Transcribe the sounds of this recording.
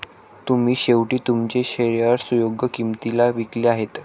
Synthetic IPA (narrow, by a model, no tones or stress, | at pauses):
t̪um̤iːɕeʋʈiːt̪umt͡ɕeɕeɾjaɾsujoɡjəkimt̪ilaʋikliaɦet̪